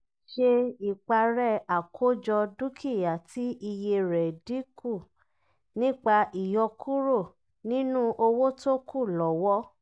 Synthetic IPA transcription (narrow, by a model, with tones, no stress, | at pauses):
ʃe˧i˨k͡pa˧ɾɛ˦˨a˨kʰo˦d͡ʒɔ˧du˦kʰi˦˨ja˨ti˦ʔi˧je˧ɾɛ˨di˦ku˦˨ | nĩ˦k͡pa˧ʔi˨jɔ˧kʰu˦ɾo˦˨ | nĩ˦nũ˦ʔo˧wo˦to˦kʰu˦˨lɔ˨wɔ˦